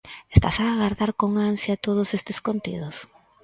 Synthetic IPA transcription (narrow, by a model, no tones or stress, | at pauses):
est̪a̰saːɣaɾðaɾkoŋansjat̪oð̞ʊsest̪eskont̪ḭð̞ʊs